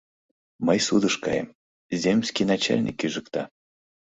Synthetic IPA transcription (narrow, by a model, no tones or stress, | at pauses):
məjsud̪ɤʃkɑjə̰m | zʲemʲsʲkʲijnɑt͡ɕa̰lʲnʲḭkːyʒɨ̆kt̪ɑ